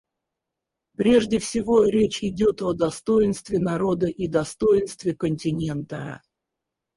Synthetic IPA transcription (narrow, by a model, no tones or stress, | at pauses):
pɾʲe̞ʐdʲɪfsʲɪvoɾʲet͡ɕɪdʲo̞t̪od̪ɐst̪o̞jɪnst̪vʲɪnɐɾo̞d̪əʔid̪ɐst̪o̞jɪnst̪vʲɪkənʲtʲɪnʲe̞nt̪ə̰